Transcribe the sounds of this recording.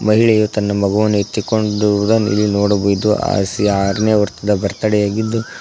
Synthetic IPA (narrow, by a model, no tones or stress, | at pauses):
mɐɦiɭɛjut̪ɐnːɐmɐɡɐʋɐnːuet̪ːikoɳɖud̪ɐnḭlːinoːɽubojd̪ua̰ːsiaːɾɐneːʋɐɾt̪ɐd̪ɐbʱɐɾt̪ɐɽɛjaːɡid̪ːu